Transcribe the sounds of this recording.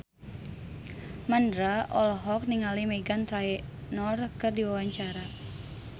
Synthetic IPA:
mandɾaʔɔlɔɦɔk̚niŋalimɛɡant̪ɾaɛnɔrkɨrdiwawaɲt͡ʃaɾa

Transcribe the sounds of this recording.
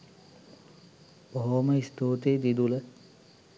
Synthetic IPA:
boɦoməist̪oːt̪eːd̪id̪ulə

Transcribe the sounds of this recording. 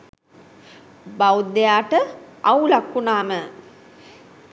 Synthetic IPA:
bawd̪ejaːʈəawlakːunaːmə

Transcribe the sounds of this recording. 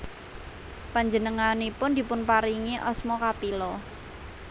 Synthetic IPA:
paɲd͡ʒənəŋanipʊnd̪i̤pʊnpaɾiŋiʔɔsmɔkapilɔ

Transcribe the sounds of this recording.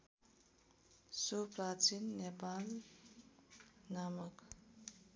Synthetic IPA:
sopɾat͡ʃinːepaːl | namək

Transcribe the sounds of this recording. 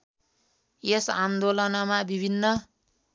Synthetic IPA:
jesamd̪olʌnʌmabibʱinːʌ

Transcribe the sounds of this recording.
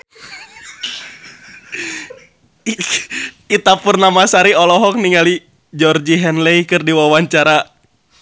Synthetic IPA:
it̪apʊrnamasaɾiɔlɔɦɔk̚niŋali | d͡ʒɔrd͡ʒiɦɛnleikɨrdiwawaɲt͡ʃaɾa

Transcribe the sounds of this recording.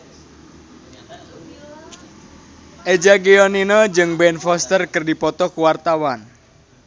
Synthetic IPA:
ʔed͡ʒaɡiɔninɔd͡ʒɨŋbɛnfɔst̪ərkərdipɔt̪ɔkuwart̪awan

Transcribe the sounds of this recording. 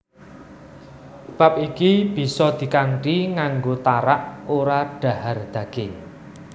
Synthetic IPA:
b̥a̤p̚ikib̥i̤sɔd̪̥i̤kaŋʈiŋaŋɡot̪aɾaʔoɾaɖ̥ä̤hard̪̥ä̤ɡ̥e

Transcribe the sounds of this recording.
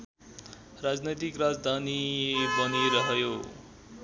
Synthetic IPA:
rad͡znʌjt̪ikrad͡zd̪ʱanibʌniɾʌɦjo

